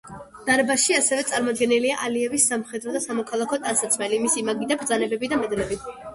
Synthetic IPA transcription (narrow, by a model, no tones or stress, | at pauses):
d̪̥aɾɛbaʃiasɛvɛt̪sʼaɾmɔd̪ɡɛniliaʔaliɛvisːamχɛd̪ɾɔd̪asamɔkʰalˠakʰɔt̪ʼansat̪sʰmɛlimisimaɡid̪abɾd̪zanɛbɛbid̪amɛd̪lɛbi